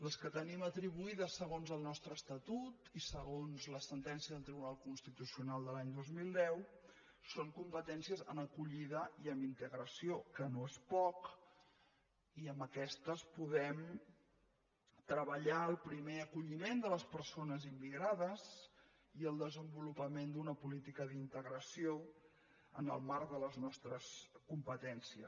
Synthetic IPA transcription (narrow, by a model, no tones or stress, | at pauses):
ləskət̪ənimət̪ɾiβuiðəsːəɣ̞onzəlˠnɔst̪ɾəːst̪ət̪ut̪isəɣ̞onzləsənt̪ɛnsiəðəlˠt̪ɾiβunalˠkunst̪it̪usiunalˠd̪əlaɲd̪ozmilˠd̪ɛw | soŋkumpət̪ɛnsiəzə̰nəkuʎiðəiəmint̪əɣɾəsiokənoespɔk | iəməkɛst̪əspuðɛm | t̪ɾəβəʎaəlˠpɾimeəkuʎimend̪ələspərsonəzimːiɣ̞ɾaðəz | iəlˠd̪əzəmbulupəmend̪unəpulit̪ikəðint̪əɣɾəsio | ə̰nə̰lˠmaɾkðələznɔst̪ɾəskumpət̪ɛnsiəs